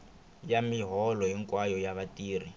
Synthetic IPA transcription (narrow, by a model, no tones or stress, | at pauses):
jamiɦɔlɔɦɛŋkwajɔjaβatiːr̤i